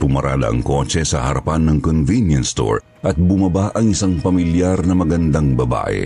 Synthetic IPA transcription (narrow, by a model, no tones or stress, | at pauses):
pʊmɐɾa̰ːlɐ̰ʔɐ̰ŋko̞t͡ʃɛsɐ̰hɐɾɐpanːɐŋkonvinjɐnst̪o̰ɹ | ʔɐt̪̚bʊmɐbaʔɐŋɪsaŋpɐmɪljaɾnɐmɐɡɐnd̪aŋbɐba̰ːʔɛ̰